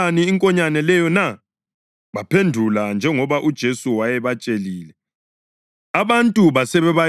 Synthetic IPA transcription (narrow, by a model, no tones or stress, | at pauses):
aniːŋkʼɔɲanɛlɛjɔna | βapʰendʱuland͡ʒʱɛŋɔβaʔud̥ʒ̥ʱesuwajɛβat͡ʃʼeliːlɛ | aβantʼuβasɛβɛβa